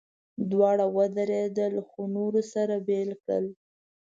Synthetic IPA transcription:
d̪wɑɽawəd̪əɾed̪əlxonuɾosaɾabelkɽə̰l

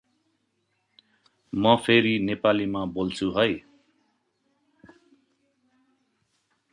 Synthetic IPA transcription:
mʌpʰeɾinepalimabolt͡sʰuɦʌj

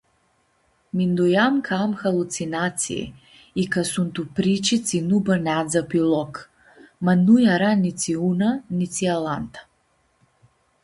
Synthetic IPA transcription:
mind̪ujamkʰamxalˠut̪sinat̪sḭḭ | ikasunt̪upɾit͡ʃit͡s̪inubanʲad̪zapilˠɔk | manujaɾanit͡s̪iunanit͡s̪ialant̪ḁ

